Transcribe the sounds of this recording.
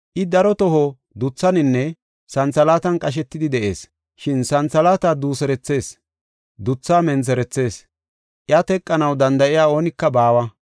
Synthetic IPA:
ʔɪd̪ɐɾɔt̪ɔɦɔ | d̪ʊt͡sːɐnɪnːɛ | sɐnt͡sɐlaːt̪ɐnkʼɐʃ̬ɛt̪ːɪd̪ɪd̪ɛʔe̞̰ːs | ʃɪnsɐnt͡sɐlaːt̪aːd̪uːsɛɾɛt͡sːe̞ːs | d̪ʊt͡sːaːmɛnt͡s̬ɛɾɛt͡sːe̞ːs | ʔjɐt̪ɛkʼːɐnɐwd̪ɐnd̪ɐʔɪjaːo̞ːnɪkːɐbaːwɐ

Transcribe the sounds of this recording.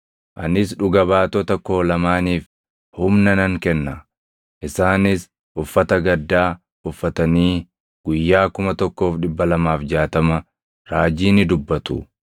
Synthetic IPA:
ʔɐnɪs̬ᶑʊɡɐβaːt̪ɔt̪ɐko̞ːlɐmaːniːf | hʊmnɐnɐŋkɛnːɐ | ʔɪsaːnɪs | ʔʊfːɐt̪ɐɡɐd̪ːaː | ʊfːɐt̪ɐniː | ɡ̥ʊjːaːkʊmɐt̪ɔkːo̞ːfᶑɪbːɐlɐmaːfd͡ʒaːt̪ɐmɐ | ɾaːd͡ʒiːnɪd̪ʊbːɐt̪ʊ

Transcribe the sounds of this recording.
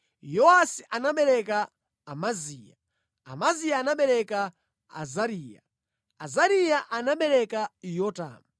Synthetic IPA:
jɔasiʔanaɓɛɾɛkaː | maziːja | a̰mazijaːnaɓɛɾɛka | a̰zaɾiːja | azaɾijaʔanaɓɛɾɛkajɔta̰ːmu

